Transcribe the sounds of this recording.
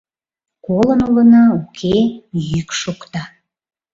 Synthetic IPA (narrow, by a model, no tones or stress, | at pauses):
kolənulənɑukʰejykʃukt̪ɑ